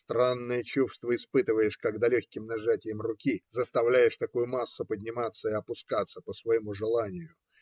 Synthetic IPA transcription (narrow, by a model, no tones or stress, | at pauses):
st̪ɾanːəjət͡ɕufst̪vəɪspɨt̪ɨvəjɪʂkaɡd̪alʲoçʲkʲɪmnɐʐatʲɪjəmrʊkʲizəst̪ɐvlʲæjɪʂt̪ɐkujʊmasːʊpədʲnʲɪmat̪sːəɪɐpʊskat̪sːəpəsvɐjɪmuʐɨlˠanʲɪjʊ